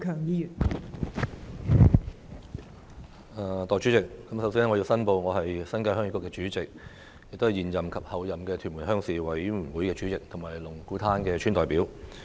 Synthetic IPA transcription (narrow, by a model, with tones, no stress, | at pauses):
kʰœː˨˩ŋjiː˧jyː˨˩n | ɐ˨t̪ɔː˨jt͡ʃy˨˥t͡sɪ˨k̚ːɐ˨˥msɐ˨˧wsiː˥nɛ˥ŋɔ˨˧ji˧wsɐ˥npo˧wŋɔː˨˧ɦɐ˨jsɐ˥nkaː˧jhœː˥ŋi˧˥kːʊ˥kːɛː˧t͡ʃyː˨˥t͡sɪ˨k̚ | jɪ˨kt̪o˥hjiː˨njɐ˨˩mkʰɐ˨p̚hɐ˨wjɐ˨mkɛː˧t̪ʰy˨˩mu˨˩nɦœː˥ŋsiː˨wɐ˨˥jm̩ː˨˩wuː˨˥jkɛː˧t͡ʃy˨˧˥t͡sɪ˨k̚t̪ʰʊ˨˩ŋmaː˨˩jlʊ˨˩ŋkuː˨˥t̪ʰaː˥nkɛː˧t͡ʃʰyː˥nt̪ɔː˨˩jpiː˨˥w